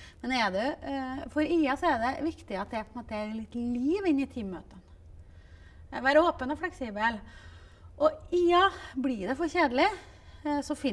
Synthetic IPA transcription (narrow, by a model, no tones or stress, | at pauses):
mɛnd̪ɛɖ̪ɛfɔɾiːɑsɔɛɾɖ̪ɛʋɪkt̪ɪɑt̪̚d̪ɛæɾpʰɔɛnmoːt̪əæɾlɪt̪ːliːʋɪnːɪt̪ʰiːmːø̰ːt̪ən | ʋæːɾəoːpənɔflɛksiːbəl | ʔɔiːɑblɪɖ̪ɛfɔɾɕeːd̪əlɪ | sɔfɪ